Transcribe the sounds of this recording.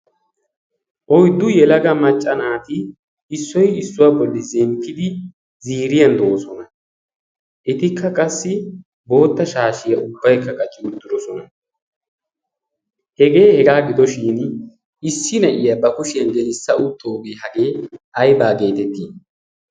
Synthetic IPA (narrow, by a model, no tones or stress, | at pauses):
ʔɔjd̪ʊjɛlɐɡɐmɐt͡ʃʼːɐnaːt̪ɪ | ɪsːɔjɪsːʊwaːbɔlːɪzɛmpʰːɪd̪ɪ | ziːɾɪjɐnd̪o̞ːsɔnɐ | ʔɪt̪ɪkʰːɐkʼɐsːɪ | bo̞ːt̪ːɐʃaːʃɪjɐʊbːɐjkːɐkʼɐt͡ʃʼːɪʊt̪ːɪd̪ɔsɔnɐ | hɛɡe̞ːhɛɡaːɡɪd̪ɔʃiːn | ɪsːɪnɐʔɪjɐbɐkʊʃɪjɐnɡɛnɪsːɐʔʊt̪ʰːoːbeːhɐɡe̞ːʔɐjbaːɡe̞ːt̪ɛt̪ːiːn